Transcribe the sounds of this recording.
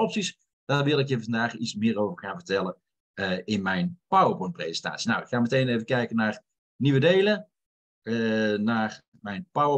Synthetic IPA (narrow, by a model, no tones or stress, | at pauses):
ɔpsis | d̥arʋɪlˠɪkevfɑndaːχismɪːrowvəɹχaːnvərtɛlˠən | əɪnmɛjnpawəpɔnprḛzənta̰ːsjəna̰wɪkxaːmətejnejvəkɛjkənaːr | niʋədejlə | ənaːr | mɛjnpawə